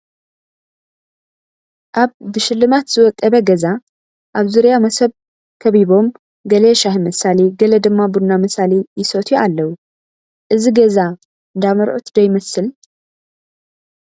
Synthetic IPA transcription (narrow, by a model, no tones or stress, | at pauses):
ʔaβːɨʃɪlːɨmat̪z̥ɨwɔt̪ʼːɐβɐɡɐza | ʔaβzuɾijamɐsɐβ | kʰɐβiβo̞m | ɡɐleʃahmɨsaleɡɐlɐd̪ɨmːabudnamɨsalijɪsot̪ʰualːɐwu | ʔɨziɡɐza | ɨnd̪amɐɾʔut̪ʰd̪ɐjmɐsɨl